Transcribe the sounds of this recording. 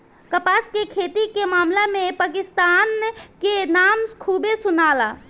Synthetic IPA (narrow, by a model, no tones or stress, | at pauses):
kəpaskekʰeːt̪ikemaːmlamẽpaːkɪst̪aːnkenaːmkʰuːbesʊnaːla